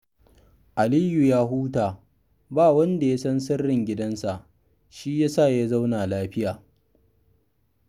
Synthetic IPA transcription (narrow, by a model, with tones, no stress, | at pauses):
ʔa˨liː˦ju˨jaː˦ɦuː˦taː˨ | baː˦˨wɐ˦nda˨ja˦sɐ˦ns̬ɐ˦rːɪ˨ŋɡʲɪ˦dɐ˦nsa˨ʔ | ʃi˦jaː˦sa˦˨ja˦za˦wnaː˨laː˦ɸɪ˦jaː˨